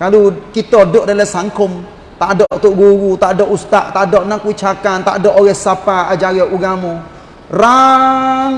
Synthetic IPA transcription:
kalukit̪ɔdoʔdalasaŋkʊm | t̪aʔdɔʔt̪ʊʔɡuɾut̪aʔdɔʔust̪aʔt̪aʔdɔʔnaŋkəwit͡ʃakant̪a̰ʔdɔʔoɣɛhsapaad͡ʒaɡaʔuɡamɔ | ra | ŋ

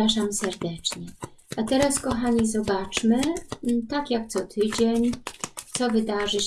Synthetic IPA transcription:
aʂamsɛɾd̪ɛt͡ʂɲɛat̪ɛɾaskɔxaɲizɔbat͡ʂmɘt̪akjak̚t̪sɔt̪ʰɘd͡ʑeɲt̪sɔvɘd̪aʐɘ

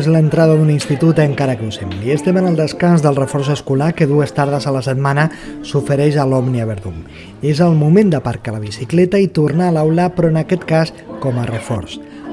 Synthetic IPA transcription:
zlənt̪ɾaðəðuninst̪it̪ut̪əŋkaɾəkusemliəst̪ɛmənəlˠd̪əskanzðəlˠrəfɔrsəskulakəðuəst̪aɾð̞əzələsət̪manəsufəɾɛʃəlɔmniəβəɾðum | ezəlˠmumẽnd̪əpəɾkaləβisiklɛt̪əit̪urnaːləwlapɾɔənəkɛt̪kas | kɔmərəfɔ̰rs

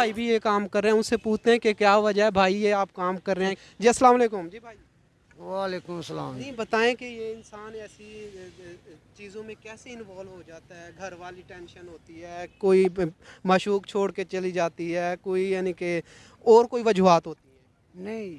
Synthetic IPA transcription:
bʱaːibʱijekaːmkəɾːeɛ̃ʊnsepuːt͡ʃʰt̪eɛ̃kekjaːʋɐd͡ʒaɦɛbʱaːijeaːp̚kaːmkəɾːẽɛ̃ | d͡ʒiːɐsəlaːmaleːkʊmd͡ʒiːbʱaːi | ʋaːleːkʊmsəlaːĩbɐt̪aːẽkejeɪnsaːnɛːsi | t͡ʃiːzõmẽkɛːseɪnʋaːlʋɦod͡ʒaːt̪aɦɛːɡʱɐɾʋaːliʈɛ̃ːnʃənɦoːt̪iɦɛːkoːiməʃuːkt͡ʃʰoːɽket͡ʃɐlid͡ʒaːt̪iɦɛːkoːijaːnĩke | ɔːɾkoːiʋəd͡ʒuɦaːt̪ɦoːt̪iɦɛː | nɐĩ

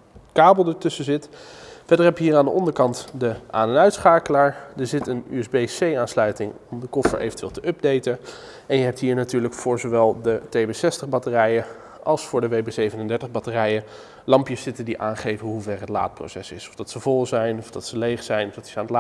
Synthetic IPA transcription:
kaːbəl̩ˠdəɹtɵsəzɪtfɛdəɹɦɛpjəɦiːraːndəʔɔndəɹkɑntdəʔaːnənœɥtsχaːkəlaːɹdəɹzɪtəny̰ɛzbejsejaːnslœɥtɪŋɔmdəkɔfə̰ɹḛjvəntʋɪ̰ːlˠtəʔɵb̚dejtən | ɛnjəɦɛp̚tɦiːɹnatyːɹləkfʊːɹzoʋɛlˠdətejbesɛstəχbɑtərɛjə | ʔɑlˠsfʊːɹdəʋejbesejvənəndɛɹtəχbɑtərɛjə | lɑmpjəsɪtəndiʔaːnχejvənɦuvɛrɦətla̰ːt̚pro̰wsɛsɪsɔ̥fvdɑtsəvɔlˠzɛjnɔvdɑtsəlejχsɛjnɔfd̥ɑtɪ̥saːnəta

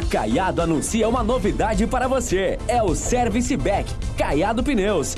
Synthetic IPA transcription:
ka̰jad̪ʊanũsiɐũmɐnovid̪ad͡ʒɪpaɾɐvoseɛʊsɛɾvisɪbɛk | kajad̪ʊpinews

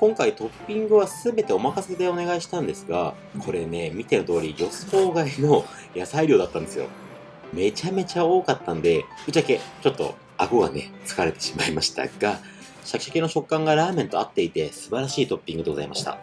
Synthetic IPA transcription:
kõ̞ŋkait̪o̞pʲːĩŋɡɯ̟βasɨɨbe̞t̪e̞o̞makased̪e̞o̞ne̞ɡaiɕi̥t̪ãnd̪e̞sɨɡa | kʰo̞ɾe̞ne̞mʲit̪e̞not̪o̞ːɾʲijo̞sɨ̥ko̞ːɡaino̞ | jasaiɾʲo̞ːd̪at̪ːãnd̪e̞sɨjo̞̰ | me̞t͡ɕame̞t͡ɕao̞ːkat̪ːãnd̪e̞ɯ̟t͡ɕiaket͡ɕo̞t̪ːo̞̰ | aɡoɡa̰ne̞t͡sɨ̥kaɾe̞t̪e̞̥ɕi̥maimaɕi̥t̪a̰ɡ̥a | ɕakʲi̥ɕakʲenːo̞ɕo̞kːãŋɡaɾaːmẽ̞nt̪o̞at̪ːe̞it̪e̞sɨbaɾaɕiːt̪o̞pʲːĩŋɡɯd̪e̞ɡo̞za̰ima̰ɕi̥t̪a̰

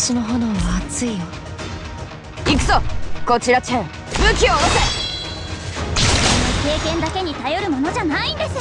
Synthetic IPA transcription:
sonoɦonoβaːt͡sɨijo | ikɯ̟̥soko̞t͡ɕiɾat͡ɕe | mɯ̟kʲioːɾose | oonoke̞ːkẽ̞nd̪ake̞ɲ̟it̪ajo̞ɾɯ̟mo̞no̞ʑanaĩnd̪e̞sɨ

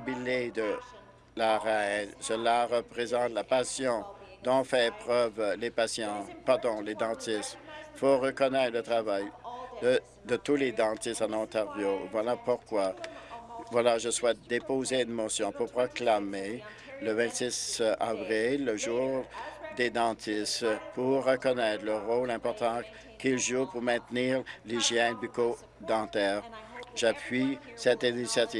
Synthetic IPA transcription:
biled̪ə | laʁaɛlsəlaʁəpʁezɑ̃t̪lapasjɔ̃d̪ɔ̃fɛpχœvlepasjɑ̃paʁd̪ɔ̃led̪ɑ̃t̪ist̪foʁəkɔnɛt̪χlət̪χʁavajd̪ə | d̪ət̪uled̪ɑ̃t̪ist̪ɑ̃nɑ̃t̪aʁvjovwalapuʁkwa | vwalaʒəswɛt̪̚d̪epozeynmɔsjɔ̃puʁpʁɔklame | ləvɛ̃t̪sisavʁilːəʒuːʁd̪ed̪ɑ̃t̪ʰist̪puʁːəkɔnɛt̪ʁləʁolɛ̃pɔʁt̪ɑ̃ | kʲilʒupuʁmɛ̃t̪niːʁliʒjɛ̃byko | d̪ɑ̃t̪ɛːʁʒapɥisɛt̪inisjat̪iː

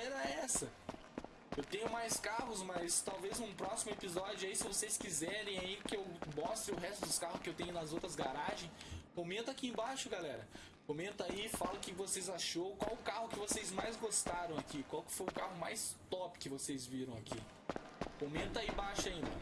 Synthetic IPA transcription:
ɛɾɐɛsɐ | ewt̪ẽɲʊmajskaɦʊzmɐst̪awveznʊ̃pɾɔsimʊepizɔd͡ʒʊaisɪvosejskizɛɾẽj̃aikɪewbɔst̪ɾɪʊɦɛst̪ʊd̪ʊskahʊskɪewt̪ẽɲʊnɐzowt̪ɾɐzɡaɾaʒẽj̃kõmẽnt̪ʊakiẽbaʃʊɡalɛɾɐ̰ | kõmẽnt̪aifalɐkɪvosezaʃowkwawʊkahʊkɪvosezmajzɡost̪aɾɐ̃w̃akikwawkɪ̥fojʊkahʊmajst̪ɔpɪ̥kɪvosezviɾɐ̃w̃akḭ | kõmẽnt̪aĩbaʃʊaĩnd̪ɐ

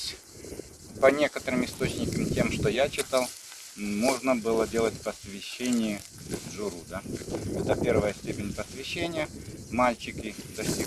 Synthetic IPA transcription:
pɐnʲe̞kət̪əɾɨmɪst̪ot͡ɕnʲɪkəmtʲe̞mʂt̪ojat͡ɕɪt̪alˠ | mo̞ʐnəbɨlˠədʲe̞lˠətʲpəsvʲɪɕːenʲɪjə | ʐʊɾud̪aɛt̪əpʲe̞rvəjəsʲtʲepʲɪnʲpəsvʲɪɕːenʲɪjəmalʲt͡ɕɪkʲɪzɐfsʲi

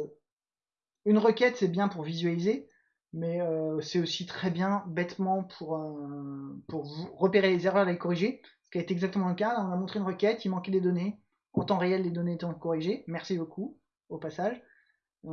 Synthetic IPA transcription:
ynʁəkʲɛt̪sɛbjɛ̃puʁvizɥalize | mɛøsɛosit̪χɛbjɛ̃bɛt̪mɑ̃pʰuʁø | puʁvuːəpeʁelezeʁœʁalekɔʁiʒeskʲaet̪eɛɡzak̚t̪əmɑ̃ləkalaɔ̃namɔ̃t̪χeynʁəkʲɛt̪imɑ̃kʲɛd̪ed̪ɔne | ɑ̃t̪ɑ̃ʁeɛlːed̪ɔneːt̪ɔ̃kɔʁiʒemɛʁsiboku | opasaʒ̃

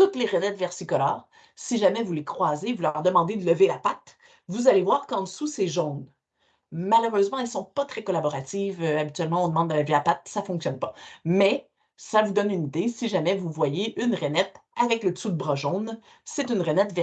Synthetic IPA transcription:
t̪ut̪leʁənɛt̪vɛʁsikɔla̰ːʁ | siʒamɛvulekχwazevulœʁd̪əmɑ̃d̪ed̪ələvelapat̪ | vuzalevwaːʁkɑ̃d̪əsuseʒɔ̃n | maləʁøzmɑ̃ɛlsɔ̃pat̪χɛkɔlabɔʁat̪ivøabit̪ɥɛlmɑ̃ɔ̃d̪əmɑ̃d̪ːəlavilapat̪̚safɔ̃ksjɔnpḁmɛ | savud̪ɔnynid̪esiʒamɛvuvwajeʔynʁənɛt̪avɛkləsud̪əbʁɑʒɔ̃n | sɛt̪ynʁɛnɛt̪vɛ

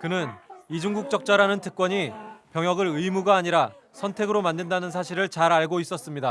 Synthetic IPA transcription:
kɯnɯnid͡ʑuŋɡuk̚t͡ɕ͈ʌk̚t͡ɕ͈aɾanɯntʰɯ̥k̚k͈wʌɲipjʌŋjʌɡɯɾɯjmuɡaːɲiɾa | sʰʌntʰe̞ɡɯɾomandendanɯns̬ʰaɕʰiɾɯɭt͡ɕaɾaɭɡois͈ʌs͈ɯmɲida

